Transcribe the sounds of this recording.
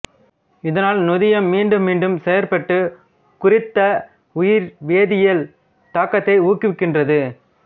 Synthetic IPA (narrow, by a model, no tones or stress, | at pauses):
ɪðɐnaːlnʊðɪjɐmːiːɳɖɯmːiːɳɖɯmsɛjɐɾpɐʈːɯ | kʊrɪt̪ːɐ | ʊjɪɾʋeːðɪjɐl | t̪aːkːɐt̪ːɐɪuːkːɪʋɪkːɪndrɐðɯ